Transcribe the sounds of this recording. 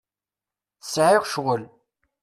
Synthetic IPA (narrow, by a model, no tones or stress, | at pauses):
θəsʕɪʁʃʁəl